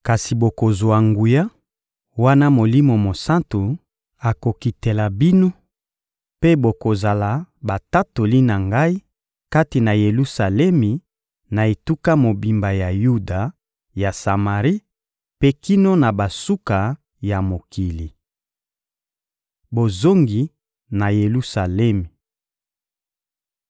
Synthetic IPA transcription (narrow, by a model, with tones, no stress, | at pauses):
ka˨si˨bo˨ko˨zwa˨ŋɡu˨ja˦ | wa˦na˦mo˨li˦mo˨mo˨sa˦ntu˨ | a˨ko˨ki˨te˨la˨bi˦no˦ | pe˦bo˨ko˨za˨la˨ba˨ta˦to˨li˦na˨ŋɡa˦i˦ | ka˦ti˨na˨je˨lu˦sa˨lɛ˦mi˨ | na˨e˨tu˦ka˦mo˨bi˨mba˨ja˨ju˦da˨ | ja˨sa˨ma˨ʁi˦ | pe˦ki˦no˦na˨ba˨su˦ka˨ | ja˨mo˨kʰi˨li˨ | bo˨zo˦ŋɡi˨ | na˨je˨lu˦sa˨lɛ˦mi˨